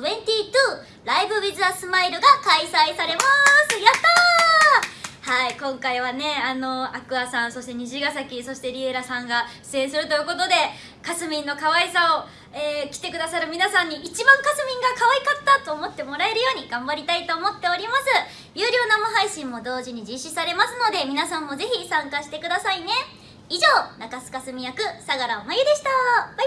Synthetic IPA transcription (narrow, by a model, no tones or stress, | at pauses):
ẽ̞ɲt̪ʲiːt̪ɯː | ɾaibɯ̟bʲizɨasɨmaiɾɯɡakaisaisaɾe̞masɨjat̪a | haikõ̞ŋkaiβane̞ano̞akɯ̟asãɰ̃so̞ɕi̥t̪e̞ɲ̟iʑiɡasakʲiso̞ɕi̥t̪e̞ɾʲieɾasãŋɡḁ | ẽ̞ɰ̃sɨɾɯ̟t̪o̞jɯkot̪o̞d̪e̞ | kat͡sɨmʲĩnːo̞kaβaisao̞ | eːkʲi̥t̪e̞kɯ̟d̪asaɾɯ̟mʲinasãɲ̟ːiʔit͡ɕibãŋkat͡sɨmʲĩŋɡakaβaikat̪ːat̪o̞ːmo̞t̪ːe̞mo̞ɾae̞ɾɯ̟jo̞ːɲ̟iɡ̥ãmbaɾʲit̪ait̪o̞ːmo̞t̪ːe̞o̞ɾʲimasɨ | jʲɯːɾʲo̞ːnamoɦaiɕĩmːo̞d̪o̞ːʑiɲ̟id͡ʑiɕisaɾe̞masɨno̞d̪e̞mʲinasãmːo̞ze̞çisãŋkaɕi̥t̪e̞kɯ̟d̪asaine̞ | iʑo̞ːnakasɨ̥kasɨmʲijakɯ̟saɡaɾaomajɯd̪e̞ɕi̥t̪a